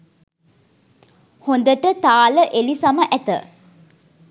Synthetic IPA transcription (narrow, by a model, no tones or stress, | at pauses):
hond̪əʈət̪aːləʔelisaməʔæt̪ə̰